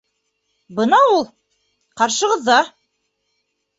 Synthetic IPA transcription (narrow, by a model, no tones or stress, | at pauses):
bɤnɑulˠ | qɑɾʃɤ̆ʁɤ̆ðːɑ